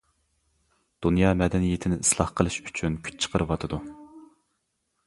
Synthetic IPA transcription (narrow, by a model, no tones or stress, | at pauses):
d̪̥unjɑːmɛd̪ɛnijet̪ʰɪnɪislˠɑhqʰəlˠɨʃy̥t͡ʃʰynkʲʰy̥t͡ʃ̚t͡ʃʰə̥qʰəɾɨwɑt̪ʰɨd̪u